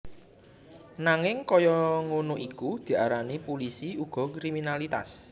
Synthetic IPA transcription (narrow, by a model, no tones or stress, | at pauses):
naŋɪŋkɔjɔŋonoʔikud̪̥i̤aɾanipulisiuɡ̥ɔ̤kɾiminalit̪a̰s